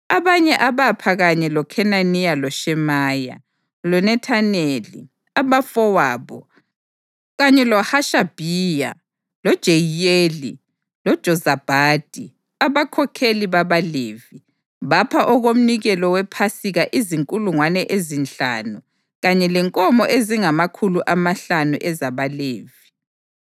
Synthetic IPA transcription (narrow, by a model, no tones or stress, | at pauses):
aβaɲɛʔaβapʰaɣaɲɛlɔkʰɛnanijalɔʃɛmaːja̰ | lɔnɛtʰanelḭ | aβafɔwaːβɔ | ɣaɲɛlɔhaʃab̥ʱiːja̰ | lɔd̥ʒ̥ʱejeli | lɔd̥ʒ̥ʱɔzab̥ʱaːd̥ʱʼi | aβakʰɔkʰeliβaβaleːvi | βapʰaʔɔɣom̩niɣɛlɔwɛpʰasiɣaʔiziŋkʼuluŋwanɛʔezint͡ɬa̰nu | ɣaɲɛlɛŋkʼɔmɔʔeziŋamakʰuluʔamaɬanṵʔɛzaβaleːvi